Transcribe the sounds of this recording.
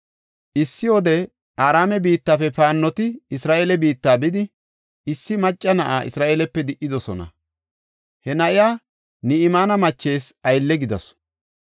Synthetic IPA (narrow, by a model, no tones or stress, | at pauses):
ʔɪsːɪwɔd̪ɛ | aːɾaːmɛbiːt̪ːaːfɛpaːnːɔt̪ɪɪsɾaːʔeːlɛbiːt̪ːaːbɪd̪ɪ | ɪsːɪmɐt͡ʃʼːɐnɐʔaːʔɪ̰sɾaːʔeːlɛpːɛd̪ɪʔːɪd̪ɔsɔnɐ̰ | hɛnɐʔɪjaː | nɪɪmaːnɐmɐt͡ʃːe̞ːsɐjlːɛɡɪd̪ɐ̰s